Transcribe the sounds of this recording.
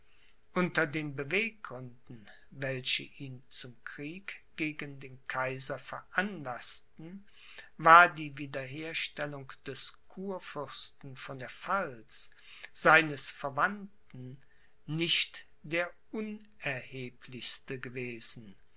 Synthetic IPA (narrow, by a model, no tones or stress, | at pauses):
ʔʊntɐdeːnbəveːk̚ʁʊndn̩ | vɛlɕə̰ʔiːnt͡sʊmkʁ̥iːkɡ̥eːɡəndeːnkʰaɪzɐfɛɐʔanlastn̩ | vaːɐdiːviːdɐɦeːɐʃtɛlʊŋd̥ɛskʰuːɐfʏɐstn̩fɔndeːɐfals | z̥aɪnəsfɛɐvant | n̩ | nɪçt | d̥eːɐʔʊn | ʔɛɐheːpʰlɪçstəɡəveːzn̩